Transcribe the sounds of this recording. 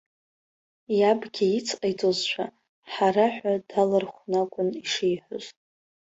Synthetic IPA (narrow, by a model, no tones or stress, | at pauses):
jabɡʲiit͡sʰqʼajt͡sʼozt͡ʃʷʰa | ħaraħʷᶣad̥alɨrχʷnakʷʼʊniʂejħʷʊz